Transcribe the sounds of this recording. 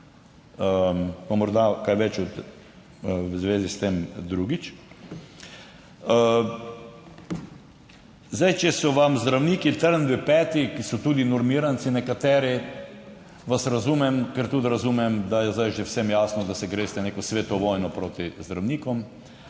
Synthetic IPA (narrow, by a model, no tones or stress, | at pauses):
əpamɔɾd̪akajʋɛt͡ʃɔt̪ | wzʋeːzist̪emd̪ɾuːɡit͡ʃ | zajt͡ʃɛsɔʋamzd̪ɾawniːkit̪əɾnʋipɛːt̪ikisɔt̪uːd̪inɔɾmiːɾant̪sinɛkat̪ɛːɾi | ʋasɾazuːmɛmkɛɾt̪ut̪ɾazuːmɛmd̪ajɛzd̪ajʒɛwsɛmjaːsnɔd̪asɛɡɾeːst̪ɛneːkɔsʋet̪ɔʋɔːjnɔpɾoːt̪izd̪ɾawniːkɔm